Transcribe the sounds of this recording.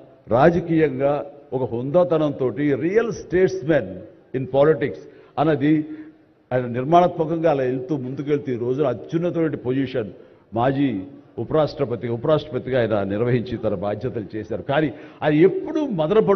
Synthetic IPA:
ɾaːd͡ʒɐkiːjɐŋɡaːɔkɐɦund̪aːt̪ɐnɐnt̪o̞ːʈiɾiːjɐlsʈeːʈsmen | inpaːliʈiksɐnɐd̪i | aːjɐnɐniɾmaːɳɐt̪mɐkɐŋɡaːlaːelt̪uːmund̪uk̬e̞ɭt̪uɾo̞ːd͡ʒunɐːt͡ʃːunːɐt̪ɐʋɐɳʈipod͡ʒiʂɐn | maːd͡ʒiːupɐɾaːʂʈɾɐpɐt̪iɡupɐɾaːʂʈɾɐpɐt̪iɡaːjɐnɐniɾʋɐɦiɲt͡ʃit̪ɐnɐbaːd̪ʱjɐt̪ɐnit͡ʃeːsaːɾukaːniɐd̪iepːuɽumɐd̪ɐɾɐpɐ

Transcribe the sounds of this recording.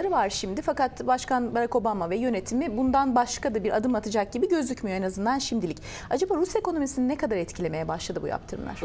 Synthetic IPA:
ɾɯvaɾʃimd̪ɪfakat̪baʃkanbaɾako̞bamavɛjø̞net̪ʰimibund̪anbaʃkad̪abiɾʔa̰d̪ɯmat̪ʰɯd͡ʒak̚ɟibiɟø̞zlʲycmyjo̞ɛnazɯnd̪anʃimd̪ilʲic | ad͡ʒabaːɾusjakʰo̞no̞misininɛkad̪aɾɛt̪cʰilʲe̞me̞jɛbaʃlˠad̪ɯbṵja̰pt̪ʰɯɾɯmlˠa̰ɾ̥

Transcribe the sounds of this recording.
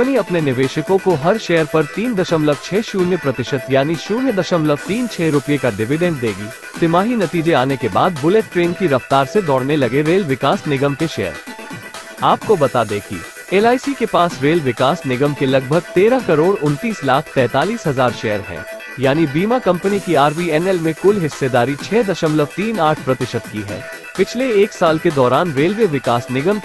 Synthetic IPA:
niɐpnenɪʋeːʃəkõkoɦɐɾʃɛːəɾpɐɾt̪iːnd̪ɐʃəmləɡ̚t͡ʃʰɛːʃuːnjəpɾɐt̪ɪʃət̪jaːniʃuːɾjəd̪ɐʃəmləɡ̚t̪iːnt͡ʃʰɛːɾʊpijekaɖɪʋɪɖɛ̃ɳɖ̚d̪eːɡiː | t̪ɪmaːɦinɐt̪iːd͡ʒeaːnekebaːd̪bʊleʈʈɾeːnkiɾɐft̪aːɾsed̪ɔːɽnelɐɡeɾeːlʋɪkaːsnɪɡəmkeʃɛ̰ːə̰ɾ | aːp̚kobɐt̪aːd̪eːkʰḭ | eːlaːɪsikepaːsɾeːlʋɪkaːsnɪɡəmkelɐɡ̚bʱəɡ̚t̪eːɾakɐɾoːɾʊnt̪iːslaːkʰt̪ɛ̃ːt̪aːliːsɦɐzaːɾʃɛːəɾɦɛ̰̃ː | jaːnibiːmakɐ̃mpənikiaːɾbiːɛnɛlmẽkʊlɦɪsːed̪aːɾit͡ʃʰɛːd̪ɐʃəmləʋt̪iːnaːʈʰpɾɐt̪ɪʃət̪kiɦɛ̰ː | pɪt͡ʃʰleeːksaːlked̪ɔːɾaːnɾeːlʋeːʋɪkaːsnɪɡəmk

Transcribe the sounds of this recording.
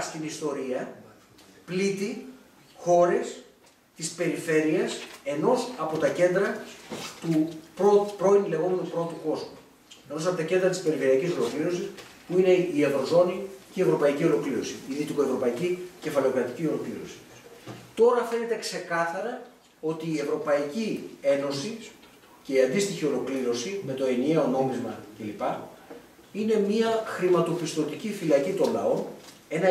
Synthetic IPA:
st̪inist̪o̞ɾiɐ | plit̪i | xo̞ɾe̞s | t̪ispe̞ɾife̞ɾiɐse̞no̞sɐpo̞t̪ɐce̞nd̪ɾɐt̪upɾo̞pɾo̞inle̞ɣo̞me̞nupɾo̞t̪uko̞zmu | e̞no̞sɐpo̞t̪ɐcend̪ɾɐt̪i̥spe̞ɾifeɾiɐciso̞lo̞kliɾo̞sis | puine̞ie̞vɾo̞zo̞niceievɾo̞pɐicio̞lo̞kliɾo̞̰siiðit̪ikoe̞vɾo̞pɐicice̞fɐle̞o̞kɾɐt̪i̥cio̞lo̞kliɾo̞̰si̥ | t̪o̞ɾɐfe̞ne̞t̪e̞kse̞kɐθɐɾɐ | o̞t̪iːe̞vɾo̞pɐicie̞no̞si | ce̞iɐnd̪ist̪içio̞lo̞kliɾo̞sime̞t̪o̞e̞nie̞o̞no̞mizmɐce̞lipɐ | ine̞miɐxɾimɐt̪o̞pist̪o̞t̪icifilɐcit̪o̞nlɐ̰o̞n | e̞nɐ

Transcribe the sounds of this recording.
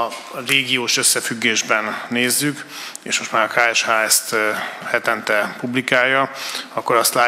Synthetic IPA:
ɒ | reːɡioːʃø̞sːɛfyɡːeːʒbɛnːeːzːyk | eːʃmo̞ʃt̪maːɾɒkaːɛʃhaːɛst̪hɛt̪ɛnt̪ɛpublikaːjːɒɒkːo̞ɾɒst̪laː

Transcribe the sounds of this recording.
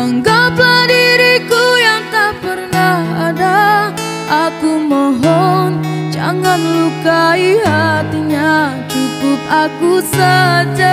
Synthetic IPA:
aŋɡapadiɾikujaŋt̪apərnahada | ʔakumɔɦɔnd͡ʒa̰ŋanlukaiɦat̪iɲat͡ʃukʊp̚akusəd͡ʒa

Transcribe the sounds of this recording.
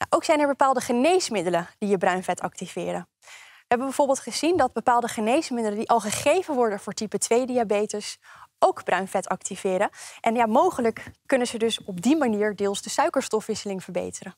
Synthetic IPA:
na̰ʔowksɛjnɛɹbəpaːlˠdəχənejsmɪdələd̥ijəbrœɥnvɛtɑ̰k̚tivɪːɾən | ʋəɦɛbənbɛjvoːɹbɪːlˠtχəzindɑd̚bəpaːlˠdəχənejsmɪdələdiʔɑlˠχəχejvənʋɔɹdənvʊːɹtipətʋejdiabejtəsʔowɡb̥rœɥnvɛtɑktivɪːɾənʔɛnjamowχələkːɵnənzədɵsɔb̚dimaniːɹdɪːlˠzdəsœɥkəɹstɔfʋɪsəlɪŋv̥əɹbḛjtərən

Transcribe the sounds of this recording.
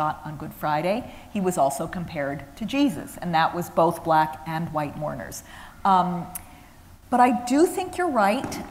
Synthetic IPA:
ɑɾn̩ɡʊd̥fɹaɪɾeɪ | iwʌzɔlˠsoʊkʰɨ̃m̩pʰɛɹd̚tʰɨd͡ʒizɨ̰sɨ̃nðəʔwʌzboʊθb̥lækɨ̃nwaɪt̚mɔ̰ɹnə̰˞z̥ | b̥ʌɾaɪdɨθɪ̃ŋkʰjə˞ɹaɪt

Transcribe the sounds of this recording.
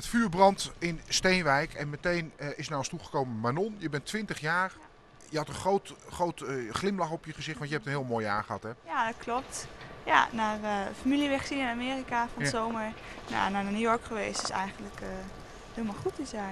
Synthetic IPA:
ətfyːɹbrɑntɪnstejnʋɛjkʰɛnmətejnɪs̬nawəstuχə̥kowməmanɔnjəbɛntʋɪntəχjaːɹ | jəhɑtənχrowtχowtχlɪmlɑχɔpjəχəzɪχtʋɑntjəɦɛptənɦɪːlˠmoːja̰ːχəɑtɦɛjadɔtklɔp̚tja̰narəfamiljəʋɛχsinɪnameːrikafɔnzoːməɹ | na̰nananujɔɹkχəʋejstɪ̥sɛ̰jɣəndlək | hɪːlˠmalχutəsja

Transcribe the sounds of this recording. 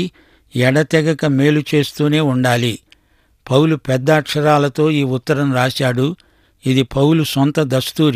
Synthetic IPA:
ɛɽɐt̪ɛɡɐkɐme̞ːlut͡ʃe̞ːst̪uːne̞ːuɳɖaːli | pɐwlupɛd̪ːaːʈʂɐɾaːlɐt̪o̞ːiːut̪ːɐɾɐmɾaːʃaːɽu | id̪ipɐwlusɔnt̪ɐd̪ɐst̪uːɾ

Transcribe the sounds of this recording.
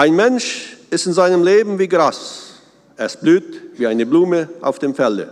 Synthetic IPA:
ʔaɪnmɛnʃɪstɪnzaɪnəmleːbm̩viːɡʁas | ʔɛɐsb̥lyːtviːaɪnəbluːməʔa̰ʊfd̥eːmfɛldə̰

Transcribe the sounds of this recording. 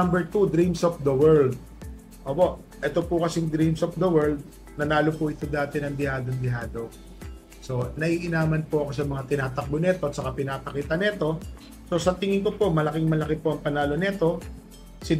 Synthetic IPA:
mbɛɹt̪ud̪ɾimsʔofd̪ɐwɛɹld̪̚ | ʔoːpo̞ʔ | ʔɛt̪o̞pʊkɐsɪŋd̪ɾimsof̚d̪ɐwɛɹld̪̚ | nɐnaːlo̞pʊʔɪt̪o̞d̪aːt̪ɛnɐŋd̪ɪhaːd̪oŋd̪ɪɦaːd̪o̞ | so̞nɐʔiːʔɪnaːmɐnpʊʔɐko̞sɐmɐŋat̪ɪnaːt̪ɐk̚bonɛt̪oɐt̪sɐkapɪnaːpɐkiːt̪ɐnɛt̪o̞ | so̞sɐt̪ɪŋɪŋko̞po̞mɐlɐkɪŋmɐlɐkɛpoʔɐŋpɐnaːlo̞nɛt̪o̞ | sɪ

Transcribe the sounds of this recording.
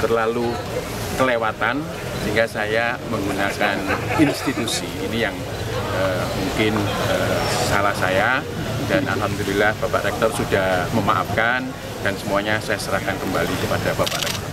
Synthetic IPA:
t̪ərlalu | kəlewat̪an | səɦiŋɡasajaməŋɡunakaninst̪it̪usiːnijaŋ | əmuŋkɪnəsalahsaja | danʔa̰lɦamd̪ulilahb̥apa̰ʔɾɛk̚t̪ɔrsudahməma̰ʔa̰p̚kan | d̥ansəmuaɲasajasəɾahkankəmbalikəpadabapa̰ʔɾɛk̚t̪ɔrr

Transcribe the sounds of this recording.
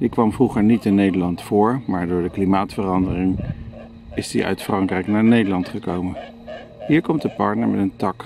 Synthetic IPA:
dikʋɑmvruχəɹnitɪnːejdəlɑntfʊːɹmaːɹdʊːɹdəklimaːtfərɑndərɪŋ | ɪsdḭʔœ̰ɥtfrɑŋkrɛjknaːɹnejdəlɑntχəkowmən | ɦiːɹkɔmtdəpɑ̰ɹtnəɹmɛ̰təntɑk

